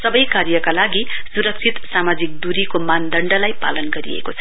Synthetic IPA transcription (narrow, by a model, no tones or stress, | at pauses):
sʌbʌjkaɾijʌkalaɡisuɾʌk̚t͡sʰit̪samad͡zik̚d̪uɾikomand̪ʌɳɖʌlajpa̰lʌnɡʌɾḭḛkot͡sʰʌ̥